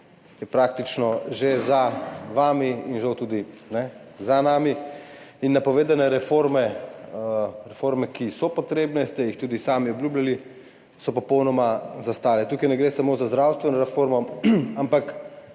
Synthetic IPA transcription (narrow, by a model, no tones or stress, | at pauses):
jɛpɾaːkt̪it͡ʃnɔʒezaʋaːmiinʒawt̪uːd̪inɛzanamiinːapɔʋeːd̪anɛɾɛfoɾmɛ | ɾɛfoɾmɛkisɔpɔt̪ɾeːbnɛst̪ɛjixt̪uːd̪isaːmiɔbljuːblʲjali | sɔpɔpɔwnɔmazast̪aːlɛt̪uːkɐjnɛɡɾeːsamozazd̪ɾawst̪ʋɛnɔɾɛfoɾmɔampak